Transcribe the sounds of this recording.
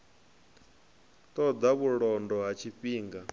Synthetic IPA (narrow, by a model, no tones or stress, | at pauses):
t̪ɔd̪aβuɺɔndɔɦat͡ʃʰiɸiːŋɡa